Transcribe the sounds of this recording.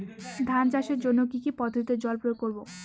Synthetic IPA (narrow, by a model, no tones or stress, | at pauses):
d̪ʱant͡ɕaʃeɾd͡ʑonːokikipɔd̪ʱoɾit̪ed͡ʑɔlpɾoɾkoɾbo